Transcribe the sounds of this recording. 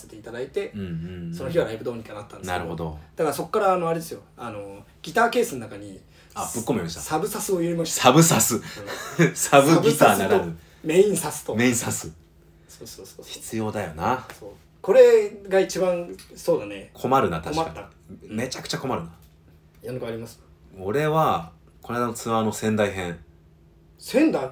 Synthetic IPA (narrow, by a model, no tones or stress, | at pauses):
se̞t̪e̞it̪ad̪ait̪e̞ɯ̃ɴ̃so̞noçiβaɾaibɯ̟d̪o̞ːɲ̟ĩkanat̪ːandna̰ɾɯho̞d̪o̰d̪̥akaɾaso̞kkːaɾaːnoaɾed̪e̞sɨjo̞ano̞ | ɡʲit̪aːke̞ːsɨnnakaɲ̟i | ab̥ɯkːomoimaɕit̪asabɯ̟sasɨo̞jɯɾʲimaɕi̥tsabɯ̟sasɨ | sabɯɡɯsanaɾao | me̞ĩɰ̃sasɨ̥t̪o̞meĩsasɨ | soːsoːsoçi̥t͡sɨjo̞ːd̪ajo̞nasoː | ko̞ɾe̞ɡait͡ɕibãñso̞ːd̪anekʰo̞maɾɯ̟nat̪aɕmaat̪ːa | me̞t͡ɕakɯ̟̥t͡ɕako̞maɾɯ̟na | jonokaɾʲimasɨ̥ | oɾe̞βa | ko̞najd̪anot͡sɨβano̞sẽ̞nd̪aiɦẽɴ | sẽ̞nd̪a